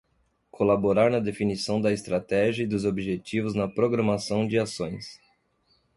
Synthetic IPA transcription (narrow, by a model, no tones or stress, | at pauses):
kʰolaboɾaɾnɐd̪efinisɐ̃w̃d̪ɐest̪ɾat̪ɛʒɐid̪ʊzobiʒet͡ʃivʊznɐpɾoɡɾɐ̃masɐ̃w̃d͡ʒɪasõj̃s